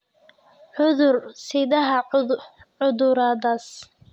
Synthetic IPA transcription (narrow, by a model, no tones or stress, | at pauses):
ʕʊðʊrsɪðɐɦɐ | ʕʊðʊɾaːðɐs